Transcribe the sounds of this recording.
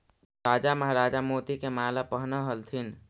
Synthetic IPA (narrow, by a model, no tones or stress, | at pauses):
ɾaːd͡ʒaməɦɾaːd͡ʒamoːt̪ikemaːlapəɦnaɦəlt̪ʰin